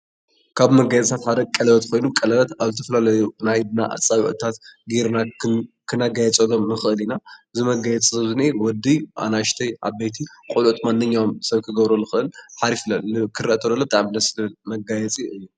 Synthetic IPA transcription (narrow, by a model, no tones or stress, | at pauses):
kʰaβmɐɡajɛt͡sʼsʰat̪ħad̪ɐkʼɐlɐβɐt̪kʰo̞jnukʼɐlɐlɐt̪aβzɨt̪ʰɐfɐlalɐjunajd̪na̰ʔa̰t͡sʼːaβʕɨ̰t̪ʰat̪ɡiɾnakʰɨnaɡajɛt͡sʼɐlomnɨxɨʔɨlinaɨzimɐɡajɛt͡sʼizɐβzɨnewɔd̪iʔa̰naʃt̪ʰɐjʔa̰βbet̪ʰikʼolʕt̪ʰʼmanːɨɲːawomsɐβkʰɨɡɐβɾɐlːɨxɨʔɨlħaɾiflɐɨkʰɨɾɐʔt̪ʰɐlɐlːobɨt̪ʼaʕmnɐslɨlmɐɡajɛt͡sʼiʔɨjːu